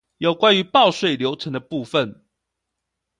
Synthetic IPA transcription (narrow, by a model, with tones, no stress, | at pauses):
jo˨˩ʊkwa˦ny˧˦pɑ˥˧ʊʂwe˥˨ɪljo˧˥ʊʈ͡ʂʰə˧˦ŋd̪ə˧pu˥˨fə˨n